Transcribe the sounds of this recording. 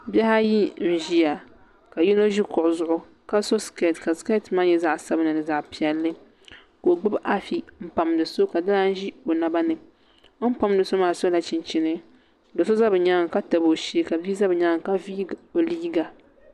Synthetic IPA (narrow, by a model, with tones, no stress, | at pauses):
bʲɛ˦ha˦ji˦n̩˨ʒi˦ja˨ | ka˨ji˦no˦ʒi˦kʊ˨ʔʊ˨zʊ˨ʔʊ˦ | ka˦so˦ske˦˨tka˨ska˦˨tma˦jɛ˦za˦ʔsa˦bɨ˦nɨ˨nɨ˨za˨ʔpi˨ɛ˦lːɨ˦ | ko˨ɡ͡bʊ˦ba˦fi˦m̩˦pa˨mdɨ˨so˦ka˨da˦la˦n̩˦ʒi˦o˨na˦ba˦nɨ˨˦ | m̩˦pa˦m˦dɨ˨so˦maː˨so˦la˨t͡ʃɪ˨nt͡ʃi˦nɨ˦ | do˨so˦za˦bɨ˨ɲa˦ŋ˨ka˦ta˨bo˨ʃi˦ka˨biː˦za˦bɨ˨ɲa˦˨ŋ˨ka˦vi˦o˨liː˦ɡa˨